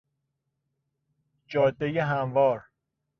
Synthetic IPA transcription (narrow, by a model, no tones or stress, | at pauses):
d͡ʒɒːd̪ːejeɦæmvɒːɾ